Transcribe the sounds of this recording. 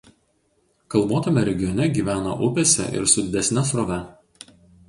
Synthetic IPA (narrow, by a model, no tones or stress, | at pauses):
kɐlˠboːt̪omʲɛɾʲɛɡʲɪjɔnʲɛɡʲiːʋʲæːnɐ̰ʔʊpʲɛsʲɛ̰ʔɪ̰ɾsʊd̪ʲɪd̪ʲɛsʲnʲɛsɾoːʋʲɛ